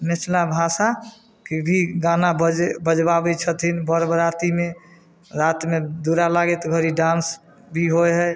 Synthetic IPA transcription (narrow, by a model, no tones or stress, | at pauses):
met͡ʃʰlabʱasa | kebʱiɡanabəbəd͡ʒbabɛt͡ʃʰət̪ʰinbəɾbɾat̪ime | ɾat̪med̪uɾalaɡɛt̪ɡʱəɾiɖãns | bʱiɦoɦɛ